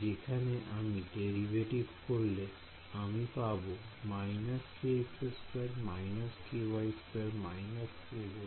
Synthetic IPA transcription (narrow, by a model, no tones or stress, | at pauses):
d͡ʒekʰaneʔamiɖeɹibʱeʈibʱkoɹle | amipabomajnaskepʰespeʈmajnaskiwajspeɾmajnaskebo